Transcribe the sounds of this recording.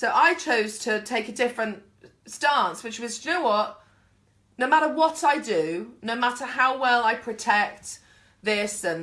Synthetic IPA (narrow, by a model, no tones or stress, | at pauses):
soʊʔaɪt͡ʃʰəʊz̥tʰətʰeɪkədɪfɹə̃nt | stɑ̃ˑnswɨt͡ʃwʌzd͡ʒʉəʔ | noʊmaɾəwɒtaɪdənoʊmatəhaʊwɛlaɪpʰɹ̥ətʰɛk̚t̪ | ðɪsə̃n